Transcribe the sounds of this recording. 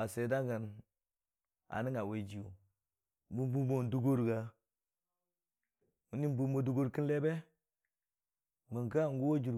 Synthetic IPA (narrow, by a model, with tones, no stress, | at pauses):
a˨se˨da˦ɡa˨n | a̰˨ni˦ŋa˨we˨d͡ʒi˨u˨ | bu˦bu˦bo˦n˨du˦ɡo˦ɾɡa˦ | mu˦ni˦mbu˦mo˨du˦ɡo˦ɾki˦nle˦be˦ | mə˨ŋka˦˨ŋ˦ɡu˦wo˦d͡ʒu˨ɾ